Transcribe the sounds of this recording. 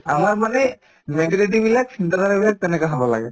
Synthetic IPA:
amaɹmanɛ | mɛʈlitibilaksint̪ad̪aɹabilak̚t̪ɛnɛkaɦɔbɔla̰ɡɛ

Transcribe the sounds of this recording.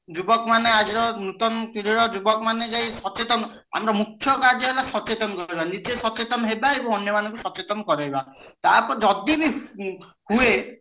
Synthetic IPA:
d͡ʒubɔkɔmanead͡ʒiɾɔnut̪ɔnɔt̪iɾiɾɔd͡ʒubɔkɔmaned͡ʒajsɔt͡ʃet̪ɔnɔ | a̰mɾɔmukʰːjɔkaɾd͡ʒɔɦelasɔt͡ʃet̪ɔnɔkɔɾibanid͡ʒesɔt͡ʃet̪ɔnɔɦebaebɔŋɔnjɔmanɔŋkusɔt͡ʃet̪ɔnɔkɔɾaɦibat̪aɾpɔɾed͡ʒɔd̪ibi | hue

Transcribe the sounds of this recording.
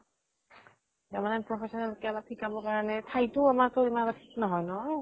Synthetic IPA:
zamananpɹɔpʰesɔnalkɛlatʰikabɔkaɹɔnɛtʰajtʊamaɹtoimanatatʰi̥knɔɦɔjnɔɦɔj

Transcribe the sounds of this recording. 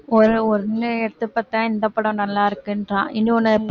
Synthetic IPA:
ɔɾɯɔɾɯnːɯɛɾt̪ːɯpːɐt̪ːãːɪnd̪ɐpːɐɽɐ̃nɐlːaːɪɾɯkːɯndɾã̰ːʔɪnːɯɔnːɐɛpː

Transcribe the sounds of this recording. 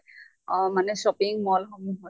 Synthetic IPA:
ɔmanɛsɔpiŋmɔlxɔmuɦɔ

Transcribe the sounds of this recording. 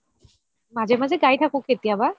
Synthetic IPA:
mazɛmazɛɡajtʰakõketijaba

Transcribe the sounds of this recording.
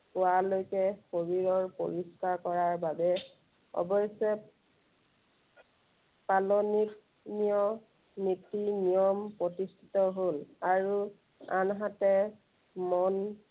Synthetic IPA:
pʊalojkɛxoɹiɹɔɹpo̰ɹiskaɹkɔɹaɹbabɛ | ɔ̰bɔjsɛ | palɔnik | niɔ | nitinijɔmpɹɔtistʰi̥tɔɦolaɹu | anɦatɛ | mɔn

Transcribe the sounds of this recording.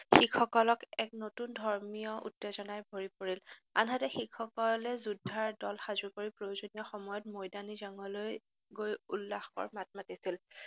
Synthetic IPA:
xikʰɔkɔlɔkɛk̚notundʱɔɹmijɔʔṵtːezɔnajbʱoɹipoɹila̰nɦatɛxikʰɔkɔlɛzudʱːaɹdɔlxazukoɹipɹojozonijɔxɔmɔjɔtmojdanizaŋɔloj | ɡojulːaxkɔ̰ɹmat̚matisil

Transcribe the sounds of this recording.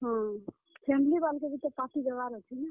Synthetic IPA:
ɦɔ̃ | pʰemilibalkebʱit̪əpaʈibebaɾət͡ʃʰɛnə

